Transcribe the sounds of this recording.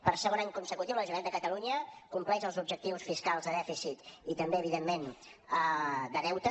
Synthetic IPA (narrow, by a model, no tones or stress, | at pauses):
pəɾsəɣonaɲkunsəkut̪iwləʒumend̪əkət̪əluɲəkumplɛzəlˠzub̚ʒək̚t̪iwsfiskalˠzðəðɛfisit̪it̪əmbeəβ̞iðemːenəd̪əðɛwt̪ə